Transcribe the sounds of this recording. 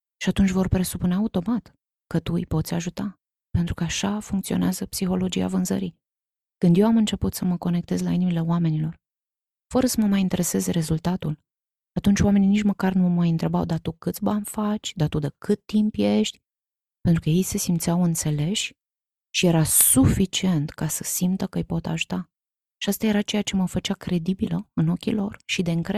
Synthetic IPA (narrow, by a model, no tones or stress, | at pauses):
ʃiat̪unt͡ʃʲvo̞rpɾe̞supuneaut̪o̞mat̪ | kət̪uipo̞t̪sʲaʒut̪a | pe̞nt̪ɾukəaʃafuŋkt̪sio̞neazəpsixo̞lo̞d͡ʒia̰vɨnzə̰ɾi | kɨnd̪je̞wamɨnt͡ʃe̞put̪səməko̞ne̞kt̪e̞zlainimile̞oame̞nilo̞r | fəɾəsəməmajint̪e̞ɾe̞se̞ze̞ɾe̞zult̪at̪ul | at̪unt͡ʃʲwame̞ninit͡ʃməkarnumajɨnt̪ɾe̞ba̰wd̪at̪ukɨt̪sʲbanfat͡ʃʲd̪at̪ud̪əkɨt̪ːimpje̞ʃt̪ʲ | pent̪ɾukəje̞jse̞simt̪sijawɨnt̪se̞le̞ʃʲ | ʃije̞ɾasufit͡ʃie̞nt̪kasəsimt̪əkəɨjpo̞t̪a̰ʒu̥t̪a | ʃiast̪aje̞ɾat͡ʃe̞jat͡ʃe̞məfət͡ʃakɾe̞d̪ibiləɨno̞kʲḭlo̞rʃid̪e̞ɨŋkɾe